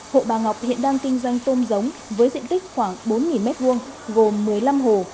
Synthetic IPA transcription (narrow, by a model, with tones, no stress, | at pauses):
ho̰˧˨ɓaː˨˩ŋɦa˨˩wk͡p̚hḭ˧˨ənɗaː˧ŋkï˧ŋ̟zwa˧jŋ̟t̪o˧mzə˨˦wŋ͡mvəː˨˦jzḭ˧˨ənt̪ï˦˥k̚xwaː˧˩ŋɓo˨˦nŋi˨˩nmɛ˦˥t̚vu˧əŋ | ɣo˨˩mːɨ˨˩əjla˧mɦo˨˩